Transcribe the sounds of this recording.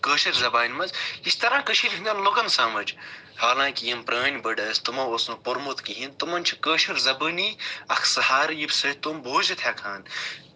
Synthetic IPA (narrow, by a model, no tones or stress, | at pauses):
kəːʃɐɾzɐbaːnʲmɐzist̪ɐɾãːkəʃʰiɾʲɦinʲɐnlokɐnsaːmɐd͡ʒ | haːlãːkijɐmpɾɐːnʲbɐɖɐst̪umɐosnɐpoɾmut̪kiɦint̪umɐnʲt͡ʃʰi̥kəːʃɐɾzɐbɨniɐkʰsɐhaːɾjibsɐt̪umboːzɐt̪ʰʲaːkʰaːn